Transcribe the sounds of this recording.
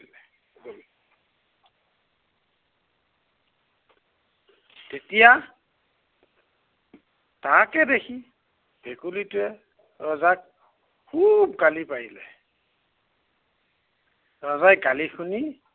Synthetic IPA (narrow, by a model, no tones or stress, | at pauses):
ɛ | tetija | takɛdekʰi | b̥ʱɛkulitʊɛ | ɹɔzak̚ | kʰubkalipajilɛ̰ | ɹɔzajɡalixʰuni